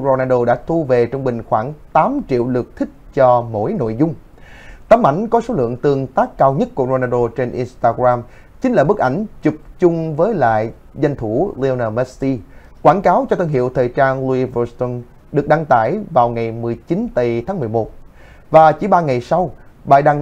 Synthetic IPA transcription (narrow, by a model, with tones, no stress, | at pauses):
ɾo˧naː˧ɗo˧ɗa̰ː˧˥t̪ʰu˧ve˨˩t͡ɕɔ˧wŋ͡mɓï˨˩ŋ̟xwaː˧˩ŋt̪aː˨˦mt͡ɕḭ˧˨əwlɨ˨˩ək̚t̪ʰï˦˥k̟̚t͡ɕɔ˧mo̰˧˥jno̰˧˨jzʊ˧ŋ͡m | t̪aː˨˦mʔa̰˧˩jŋ̟kɔ˨˦so˨˦lɨ̰˧˨əŋt̪ɨ˨˩əŋt̪aː˦˥kːaː˧wɲə˦˥t̚ku˧˩əzo˧naː˧ɗo˧t͡ɕe˧nʔi˧nst̪aː˧ɡɾaː˧m | t͡ɕi˨˦ŋ̟laː˨˩ɓɨ˦˥k̚ʔa˧˩jŋ̟t͡ɕʊ˨˩p̚t͡ɕʊ˧ŋ͡mvəː˨˦jla̰ː˧˨j | za˧jŋ̟t̪ʰu˧˩li˧o˧naː˧mɛ˦˥si˧ | kwaː˧˩nkaː˨˦wt͡ɕɔ˧t̪ʰə˧nɦḭ˧˨əwt̪ʰəː˨˩jt͡ɕaː˧nlu˧i˧vɔ˧st̪ɔ˧n | ɗɨ˨˩ək̚ɗa˧ŋt̪a̰ː˧˩jvaː˨˩wŋa˨˩jmɨ˨˩əjt͡ɕi˨˦nt̪ə˨˩jt̪ʰaː˨˦ŋmɨ˨˩əjmo˨˩t̚ | vaː˨˩t͡ɕi˧˩˦ɓaː˧ŋa˨˩jsa˧wɓa̰ː˧˨jɗa˧ŋ